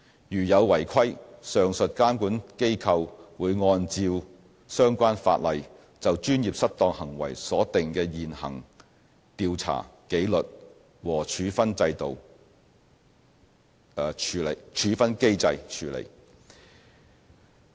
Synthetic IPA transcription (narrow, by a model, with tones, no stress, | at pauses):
jyː˨˩jɐ˨˧wwɐ˨˩jkʰɐ˥jsœː˨˧ŋsɵ˨t̚kaː˥mkuː˨˥nke˥jkʰɐ˧wwuː˨˧jŋɔː˧nt͡siː˧w | sœː˥ŋkʷaː˥nfa̰ː˧t̚lɐ˨˧j | t͡sɐ˨wt͡ʃyː˥njiː˨p̚sɐ˥t̚t̪ɔː˧ŋhɐ˨˩ŋwɐ̰˨˩jsɔː˨˥t̪ɪ˨ŋkɛː˧jiː˨nhɐ̰˨˩ŋ | t̪iː˧wt͡sʰa̰ː˨˩ke˨˥jlɵ˨t̚ | wɔː˨˩t͡ʃʰyː˨˥fɐ˥nt͡sɐ˧jt̪o˨w | t͡ʃʰyː˨˧le˨˩jt͡ʃʰyː˨˧fɐ˥nke˥jt͡sɐ˧jt͡ʃʰyː˨˧lḛ˨˩j